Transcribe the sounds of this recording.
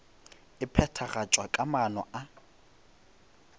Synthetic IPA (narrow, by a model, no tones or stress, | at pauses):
ɪpʰɛtʰaɣat͡ʃʼwakʼamanɔʔa